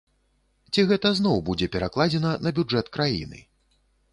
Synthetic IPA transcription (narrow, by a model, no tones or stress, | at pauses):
t͡sʲiɣɛt̪ɐznɔwbud͡zʲɛpʲɛɾaklˠad͡zʲɛnɐnɐbʲud͡ʐɛt̪kɾajḭnɨ̰